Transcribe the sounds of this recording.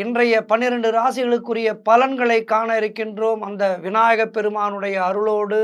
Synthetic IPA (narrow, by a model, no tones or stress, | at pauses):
ɪndrɐjɐpɐnːɪɾɐɳɖɯɾaːsɪɣɐɭɯkːɯrɪjɐpɐlɐnɡɐɭɐɪkːaːnɐɪɾɯkːɪndroːmɐnd̪ɐʋɪnaːjɐɣɐpːɛɾɯmaːnɯɽɐjɐːɾɯɭoːɽɯ